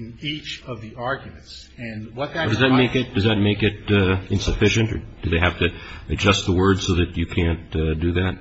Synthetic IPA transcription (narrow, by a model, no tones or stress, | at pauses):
nit͡ʃʌvðiɑɹɡjɨmɨ̃nts | ɨ̃nwʌt̪̚ðɨd̥ʌzðɨt̚meɪkɪt̚d̥ʌzðɨt̚meɪkɪɾɨ̃nsɨfɪʃɨ̃ntə̰˞d̥ɨðeɪɦæftɨɨd͡ʒʌst̪̚ðəwɜ˞dzsoʊðɨt͡ʃɨkʰæ̃ntdɨðæt̚